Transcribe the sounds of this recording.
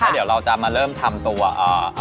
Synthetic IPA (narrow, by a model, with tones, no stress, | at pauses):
a˥˩d̪i˩˦wɾa˧wt͡ɕa˨˩maː˧ɾɤː˥˩mt̪ʰa˧mt̪u˧ɐʔɤː˨˩ʔa˧